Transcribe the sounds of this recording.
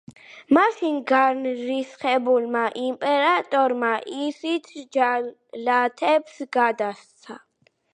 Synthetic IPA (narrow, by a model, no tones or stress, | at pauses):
maʃinɡaɾnɾisχɛbulmaʔimpʼɛɾat̪ʼɔɾmaʔisit̪ʰd͡ʒa | lat̪ʰɛpsɡad̪ast̪sʰa